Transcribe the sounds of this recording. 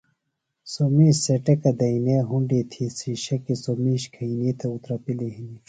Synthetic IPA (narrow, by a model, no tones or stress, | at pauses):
somiːɕseʈɐkɐd̪ɐineːɦuɳɖit̪ʰisiɕɐkisomiːɕkʰɐiniːt̪ʰɐut̪ɾɐpileɦini